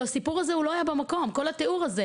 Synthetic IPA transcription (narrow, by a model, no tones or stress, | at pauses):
asipuʁazeulo̞ajabemako̞mko̞lat̪euʁaze